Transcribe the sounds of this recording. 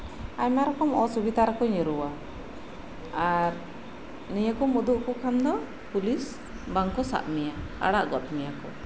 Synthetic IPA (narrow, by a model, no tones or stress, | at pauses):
aɲmaɾɔkɔmɔsubid̪aɾɔkɔɲəɾuwa | aɾ | nijəkɔmud̪uʔkɔkʰamd̪ɔ | pulis | baŋkɔsa̰ʔmɛjaa̰ɽaʔɡɔt̪̚mɛjakɔ